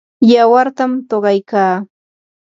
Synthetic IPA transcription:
jawaɾt̪amt̪oɢɑjkaː

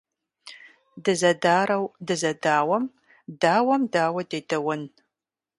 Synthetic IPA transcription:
dɨzɐdaːɾɐwdɨzɐdaːwɐm | daːwɐmdaːwɐdeːdɐwɐn

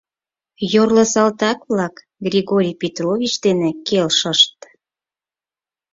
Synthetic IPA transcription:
jorlə̆sɑlt̪ɑkβlɑk | ɡrʲiɣoɾʲijpet̪rovʲit͡ɕd̪enekelʃəʃt̪̚

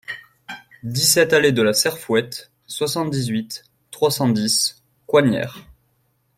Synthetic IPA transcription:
d̪isɛt̪aled̪əlasɛʁfwɛt̪ | swasɑ̃t̪̚d̪izɥit̪ː | χwasɑ̃d̪is | kwaɲjɛ̰ːʁ

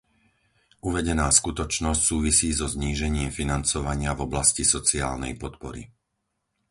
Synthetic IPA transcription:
uʋɛɟɛnaːskut̪ɔt͡ʃnɔscsuːʋisiːzɔzɲiːʒɛɲɪɛmfinant͡sɔʋaɲɪavɔblascisɔt͡sia̰ːlnɛ̰jpɔt̪pɔɾḭ

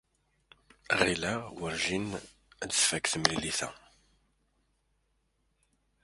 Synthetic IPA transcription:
ʁilæwəɾʒin | d̪əsfækːθəmliliθæ̰

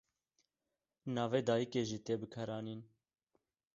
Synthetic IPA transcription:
nɑːveːd̪ɑːjikeːʒiːt̪eːbɨkʰɛɾɑːniːn

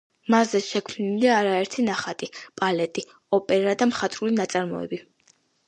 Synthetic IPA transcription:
mazɛʃɛkʰniliːɾaɛɾt̪ʰinaχat̪ʼipʼalɛt̪ʼi | ɔpʼɛɾad̪amχat̪ʼɾulinat̪sʼaɾmɔ̰ɛ̰bi

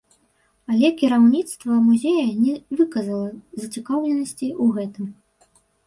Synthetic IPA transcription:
ɐlʲɛkʲiɾawnʲit̪st̪vɐmuzʲejɐnʲɛvɨkɐzɐlˠɐzɐt͡sʲikawlʲɛnɐsʲt͡sʲiuɣɛt̪ɨm

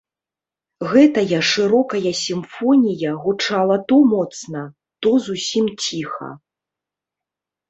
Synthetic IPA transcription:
ɣɛt̪ɐjɐʂɨɾɔkɐjɐsʲimfɔnʲijɐɣut͡ʂalˠɐt̪ɔmɔt̪snɐ | t̪ɔzusʲimt͡sʲixɐ̰

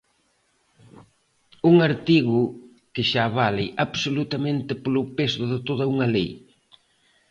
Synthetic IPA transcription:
uŋaɾt̪iɣʊ | kɪʃaβaleʔaβsolut̪ɐmẽnt̪ɪpolʊpesʊðɪt̪oð̞ɐuŋɐlej

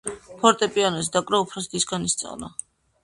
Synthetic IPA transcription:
pʰɔɾt̪ʼɛpʼianɔsd̪akʼɾɔupʰɾɔsd̪isɡanist̪sʼa̰vna̰

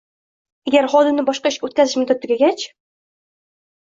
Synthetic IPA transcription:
aɡʲaɾχɒd̪ɪmnɪbɒʃqɑɪʃkʲɵt̪kʲazɪʃmʊd̪at̪ʰːɪɡʲaɡʲat͡ʃ

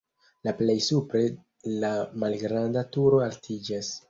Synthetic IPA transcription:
laple̞jsupɾe̞ | lamalɡɾandatuɾo̞altʰid͡ʒas

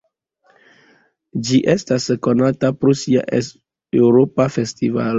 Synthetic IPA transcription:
d͡ʒiʔestasko̞natapɾosia̰ʔ | ewɾopafe̞stiva̰l

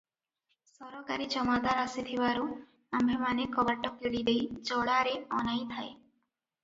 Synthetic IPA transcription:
sɔɾɔkaɾid͡ʒɔmad̪aɾasit̪ʰibaɾu | ambʱemanekɔbaʈːɔkeɽid̪ejd͡ʒɔɽaɾeɔnajt̪ʰae

